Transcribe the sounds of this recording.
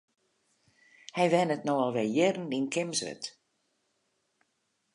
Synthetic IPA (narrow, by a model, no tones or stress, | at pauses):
hɛjʋɛnətnowɔlˠʋɛjɪrn̩inkʰɪmsʋə̰t